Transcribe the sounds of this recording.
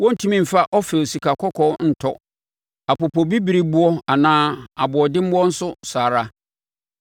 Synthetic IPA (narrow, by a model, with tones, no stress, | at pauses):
wɔ̃˦n̩˦˨tʰũ˦mĩ˦m̩˨fa˦ʔɔ˦fɛ˨o˨si˨kʰa˨kʰɔ˦kʰɔ˦n̩˨tʰɔ˦ | a˨pɔ˨pʰɔ˨bi˦bi˨ɾi˦bʊ˦ɔ˦a˨nãː˦a˨bʊ˨ɔ˨dɪ˦m̩˦wɔ˦n̩˦sʊ˦saː˨ɾa˦